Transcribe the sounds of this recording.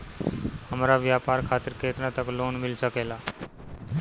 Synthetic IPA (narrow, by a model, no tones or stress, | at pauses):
ɦəmɾaʋjaːpaːɾkʰaːt̪ɪɾkʰeːt̪ɾãt̪əkloːnmɪlsəkeːlaː